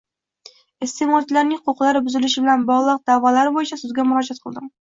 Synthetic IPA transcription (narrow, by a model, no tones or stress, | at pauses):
est̪ʰemɒt͡ʃʰlaɾnɪŋqʰoqlˠaɾɪbʊzɪlɪʃɪbɪlanbɒʁlˠɨq̚d̪̥avɒlaɾɪbojɪt͡ʃʰasʊzɡʲamʊɾɒd͡ʒat̪̚qʰɨlˠd̪ɪm